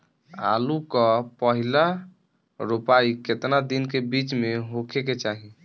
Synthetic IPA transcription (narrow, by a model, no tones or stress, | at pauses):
a̰lukɔpəɦila | ɾupaiket̪nad̪inkebit͡ʃmeɦokʰeket͡ʃaɦi